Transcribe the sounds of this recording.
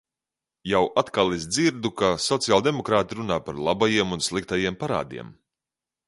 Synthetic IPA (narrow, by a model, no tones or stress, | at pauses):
jawʔat̪kalˠɛzd̪ziɾd̪ukasɔt̪sialˠd̪emɔkɾaːt̪iɾunaːpaɾlˠabajiɛmunslˠik̚t̪ajiɛmpaɾa̰ːd̪ḭɛm